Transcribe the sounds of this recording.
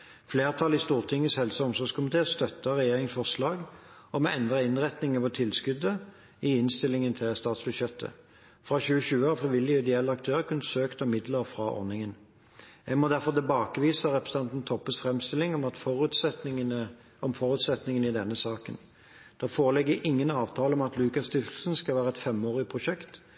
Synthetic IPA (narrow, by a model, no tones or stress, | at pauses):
fleːʁt̪ʰɑlɪst̪uːʁt̪ʰɪŋːəshɛlsəɔmsɔʁɡskʰʊmɪt̪ʰeːst̪œt̪ːəʁɛjeːʁɪŋsfɔʁslɑːɡɔmɛɛnd̪ʁəɪnʁɛt̪nɪŋəpʰɔt̪ʰɪlskʉd̪ə | ɪɪnst̪ɪlɪŋənt̪ʰɪlst̪ɑːt̪sbʉd̪ɕjɛt̪ʰːə̰ | fʁɑɕʉːəɕʉːəɑfʁɪʋɪlːɪɪd̪ɪɛlːəɑk̚t̪ʰøːʁəkʉnːəsøːkt̪əmɪd̪ləʁfʁɑʔɔ̰ʁnɪŋən | jæɡmɔd̪æɾfɔʁt̪ʰɪlbɑːkəʋiːsəʁɛpɾʁəs̩ɑnt̪n̩t̪ʰɔpːəsfʁɛmst̪ɪlɪŋɔmɑt̪fɔʁʉt̪s | ɔmfɔʁʉːt̪sɛt̪nɪŋənɪd̪ɛnːəsɑːkən | d̪̥ɛfoːʁəlɛɡːəʔɪŋːənɑːʋt̪ʰɑːləɔmɑt̪lʉːkɑst̪ʏft̪l̩sən̩skɑlʋæːʁəɛt̪fɛmoːʁɪpʰʁʊʃɛkt̪